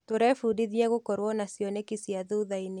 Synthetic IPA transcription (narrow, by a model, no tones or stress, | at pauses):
toɾɛfudiðjɛɣokɔɾwɔnasjɔnekisjaðuðaine